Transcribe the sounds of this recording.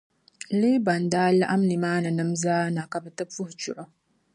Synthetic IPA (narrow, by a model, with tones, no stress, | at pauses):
leː˦ba˨ndaː˦la̰˦ʔa˦mni˨maː˦na˨nɨ˦mzaː˦na˨ka˨bɛ˨tɨ˦fu˦ht͡ʃʊ˨ʔʊ˦